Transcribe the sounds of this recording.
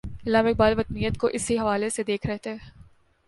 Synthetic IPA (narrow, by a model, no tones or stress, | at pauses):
ɪslaːmɪk̚baːlʋɐt̪nijət̪koʔɪsiɦɐʋaːlesed̪eːkʰɾɐɦt̪eɦɛː